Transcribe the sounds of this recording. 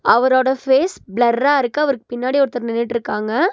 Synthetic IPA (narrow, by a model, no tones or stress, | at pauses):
ɐʋɐɾoːɽɐfeːsblɐɾːaːɪɾɯkːɯɐʋɐɾɯkːɯ̥pɪnːaːɽiɔɾɯt̪ːɐɾnɪnːɪʈːɪɾɯkːaːŋɡɐ